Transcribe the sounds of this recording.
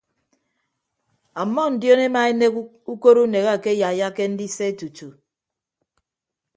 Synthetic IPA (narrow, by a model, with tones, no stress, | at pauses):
a˨mːɔ˦n̩˨djo˦ne˦ma˨e˦ne˦k | u˦ko˦ɾu˦ne˨ɣa˦˨ke˦ja˨ja˦ke˦n̩˦di˦se˦e˦tu˨tu˨